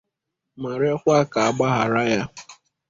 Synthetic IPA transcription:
ma˨ɾe˦kʷa˦ka˨a˨ɡ͡ba˦ɦa˨ɾa˦ja˦

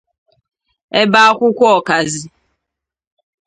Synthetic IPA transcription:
ɛ˦ba˦kʷʊ˦kʷɔ˦˨ka˨zi˨

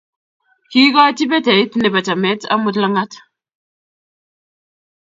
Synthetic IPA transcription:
ki˦kɔ˦ti˦bɛ˦tɛ˨i˦tne˨ba˨ta˨mɛ˦ta̰˦mu˦tla˦ŋa˦t

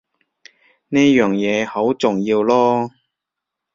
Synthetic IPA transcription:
niː˥jœː˨˩ŋjɛː˨˧ho˨˥wt͡sʊ˨ŋjiː˧wlɔː˥

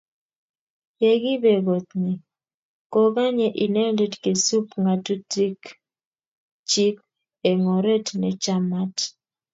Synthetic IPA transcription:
je˨ɡi˦be˨ɡo˨t̪ni˨ | ko˦ɡa˦ɲe˨ʔi˨nɛ˦nde˦tke˨su˦pŋa˨tu˦ti˦k | t͡ʃi˦p̚ | e˨ŋɔ˨ɾe˦tnɛ˨t͡ʃa˦ma˦t

